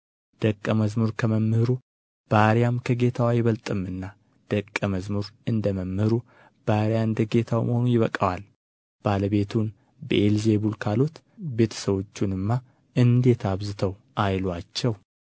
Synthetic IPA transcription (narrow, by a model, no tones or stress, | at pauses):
d̪̥əkʼːəməzmuɾkʰəməmːɨhɾu | b̥aɾjamkʰəɡe̞t̪ʰawajɪβəlt̪ʼɨmɨnːa | d̪̥əkʼːəməzmuɾɨnd̪əməmːhɨɾu | b̥aɾijaɨnd̪əɡe̞t̪ʰawməho̞nujɪβəkʼawal | b̥aləβe̞t̪ʰun | bəʔelze̞bulkʰalo̞t̪ | be̞t̪ʰə̥səβo̞t͡ʃːunɨmːa | ʔɨnd̪e̞t̪ʰaβzɨt̪ʰəwʔajlwat͡ʃːɛw